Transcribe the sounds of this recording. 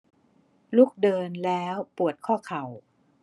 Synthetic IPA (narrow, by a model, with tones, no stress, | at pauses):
luː˥˩k̚dɤː˧nlɛː˦˥wpu˨˩ət̪̚kʰɔː˥˩kʰa˨˩w